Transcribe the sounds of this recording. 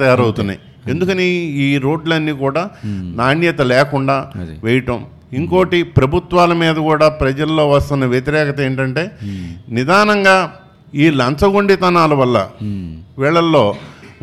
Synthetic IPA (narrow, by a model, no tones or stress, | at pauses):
ɐjaːɾɐwt̪unːa̰j | e̞nd̪ukɐniiːɾo̞ːɖlɐnːiːkuːɽaːnaːnjɐt̪ɐlɛːkuɳɖaːʋɛjiʈɐm | iŋko̞ːʈipɾɐbʱut̪ʋaːlɐmiːd̪ɐkuːɽaːpɾɐd͡ʒɐlːo̞ːʋɐst̪unːɐʋjɐt̪iɾɛːkɐt̪ɐeːɳʈɐɳʈe̞ːnid̪aːnɐŋɡaː | iːlɐnsɐɡuɳɖit̪ɐnaːlɐʋɐlːɐ̰ | ʋɛːɭɐlːoː